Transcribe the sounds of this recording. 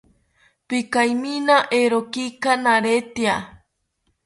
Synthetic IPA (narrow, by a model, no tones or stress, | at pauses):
pikajminaʔeɾokikanaɾet̪ia